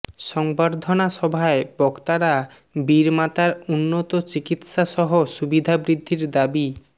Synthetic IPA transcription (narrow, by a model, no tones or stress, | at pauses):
ʃɔŋbaɾd̪ʱonaʃɔbʱaebɔkt̪aɾa | biɾmat̪aɾunːot̪ot͡ɕikit̪ʃaʃɔɦoʃubid̪ʱabɾid̪ʱːiɾd̪abi